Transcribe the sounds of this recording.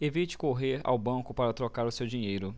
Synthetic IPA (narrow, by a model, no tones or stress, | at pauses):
evit͡ʃɪ̥koɦeɾa̰wbɐ̃kʊpaɾɐt̪ɾokaɾʊsewd͡ʒĩɲejɾʊ